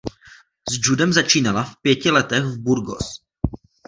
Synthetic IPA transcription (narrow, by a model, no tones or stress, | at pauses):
zd͡ʒudɛmzat͡ʃiːnalafpjɛcɪlɛt̪ɛxvbuɾɡo̰s